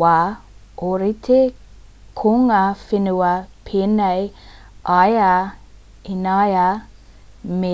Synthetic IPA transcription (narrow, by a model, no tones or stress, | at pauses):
a | oɾit̪ʰe | kʰoŋaːfenuɐpʰeːnej | aja | inaja | me